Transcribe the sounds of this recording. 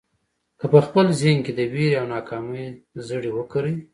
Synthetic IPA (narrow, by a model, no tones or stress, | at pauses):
kəpəxpəlzeŋked̪əwiɾiawnɑkʰɑməjzəɽiwəkəɾəj